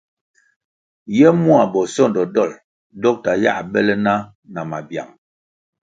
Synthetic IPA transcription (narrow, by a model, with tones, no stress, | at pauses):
jɛ˦mu˦a˨bɔ˨sɔ˦˨ndɔ˨dɔ˦˨l | dɔ˦k̚ta˨ja̰˦˨ʔbɛ˦lɛ˦na˦ | na˨ma̰˨bja̰˨ŋ